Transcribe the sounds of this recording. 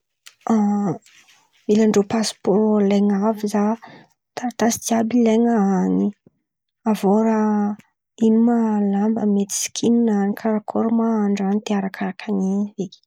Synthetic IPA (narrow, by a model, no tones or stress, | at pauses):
a | milaɳɖ͡ʐopaspolaŋaviza | t̪aɾat̪asi̥t̪iabilaŋaani | avoɾa | imalambəmet̪i̥si̥kʰininanikʰaɾakʰoɾumaaɳɖ͡ʐanit̪eaɾakʰaɾakʰaniveki̥